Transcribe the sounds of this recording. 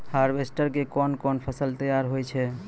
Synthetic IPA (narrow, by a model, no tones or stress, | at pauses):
haɾbesʈəɾkekɔnkɔnpʰəsəlt̪əjaɾɦojt͡ʃʰɛ